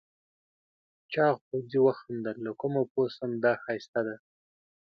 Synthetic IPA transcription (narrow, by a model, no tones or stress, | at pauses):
t͡ʃɑɣpowziwaxand̪alːakʊmoposand̪ɑxɑjst̪ad̪a